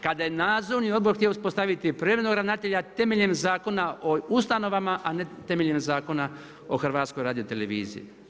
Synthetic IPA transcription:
kad̪ajenaːd̪zoʋnio̞d̪boɾxt̪iouspo̞st̪aʋit̪ipɾemenoɡɾanat̪eʎat̪e̞meʎemzaːko̞naoust̪ano̞ʋamaʔane̞t̪emeʎemzaːko̞na | o̞xrʋaːt̪sko̞jɾaːd̪ijot̪eleʋḭːzḭji

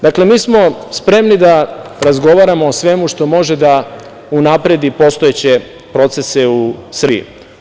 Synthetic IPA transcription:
d̪akle̞miːsmo̞spɾe̞mnid̪aɾazɡo̞ʋaɾamo̞ːsʋe̞muʃt̪o̞mo̞ʒe̞d̪a | unapɾe̞d̪ipo̞st̪o̞et͡ɕe̞ | pɾo̞t̪se̞se̞usḭṵ

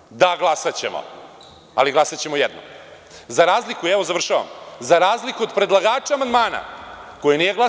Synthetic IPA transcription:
d̪aɡlˠasat͡ɕemo̰ | a̰liɡlˠasat͡ɕe̞mojɛd̪no̰m | zaɾaːzlikuɛʋo̞zaʋr̩ʃaʋa̰mzaɾaːzlikuod̪pɾe̞d̪lˠaɡaːt͡ʃaamand̪maːna̰ko̞jenijeɡla

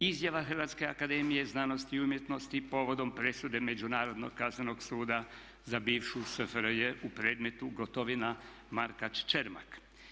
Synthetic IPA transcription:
izjaʋaxr̩ʋat̪ske̞akad̪e̞ːmije̞znaːno̞st̪iːumje̞t̪no̞st̪ipo̞ʋo̞d̪o̞mpɾe̞sud̪e̞me̞d͡ʒunaːɾo̞d̪no̰ɡkazneno̞ɡsuːd̪a | zabiːʋʃusəfɾjeʔupɾe̞ːd̪me̞t̪uɡot̪oʋina | maɾkat͡ʃt͡ʃeɾma̰k

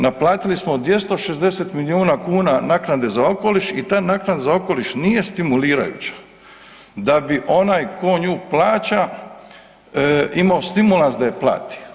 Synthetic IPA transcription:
naplaːt̪ilismod̪ʋje̞st̪o̞ʃezd̪e̞set̪milioːnakuːnanaknad̪e̞zao̞ko̞liʃit̪aːjnaknad̪zao̞ko̞liʃnije̞st̪imuliːɾa̰jṵt͡ɕḁ | d̪abiʔo̞naːjkʰo̞ɲuːplaːt͡ɕa | imaost̪imulˠansd̪ajeplˠa̰ːt̪i̥

